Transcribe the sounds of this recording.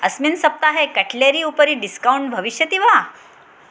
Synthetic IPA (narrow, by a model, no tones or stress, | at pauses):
əsminsəp̚t̪aɦekəʈʰljeɾiːupəɾiːɖiskauɳʈ̚bʱəʋiɕjət̪iʋa